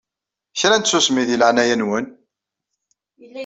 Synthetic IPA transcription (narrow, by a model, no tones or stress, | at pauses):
çɾænt̪sːusmiðiləʕnæjænwən